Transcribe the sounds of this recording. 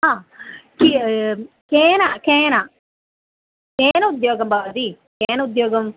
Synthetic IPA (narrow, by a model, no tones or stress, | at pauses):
aki | keːnakẽːna | keːnɐʊd̪joːɡɐmbaːʋd̪i | keːnɐʊd̪joːɡɐm